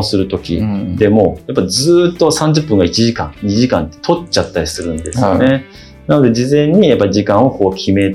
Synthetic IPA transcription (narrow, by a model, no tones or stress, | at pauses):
sɨɾɯ̟t̪o̞kʲḭd̪e̞mo̞japːazɨːt̪ːo̞sãɲ̟d͡ʑɨpːɯ̃ŋɡait͡ɕiʑikã̰ŋɲiʑikã̰nt̪ːe̥t̪ʰo̞t͡ɕat̪ːaɾʲisɨɾɯ̟̃nd̪e̞sɨne̞ | nano̞d̪e̞d͡ʑizẽ̞ɲ̟ːijapːaɾʲiʑikãɰ̃o̞ko̞ːkʲʰime̞